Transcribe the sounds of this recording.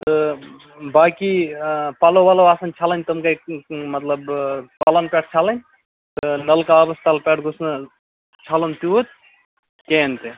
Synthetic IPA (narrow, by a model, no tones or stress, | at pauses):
t̪ə | baːkipalowaloaːsɐnt͡ʃʰalənʲt̪əmkamət̪ləbpalanpeʈʰt͡ʃʰalənʲ | t̪ənəlkaəbəst̪alpeʈʰɡʱusnɨ | t͡ʃʰalənt̪uot̪̚ | kent̪e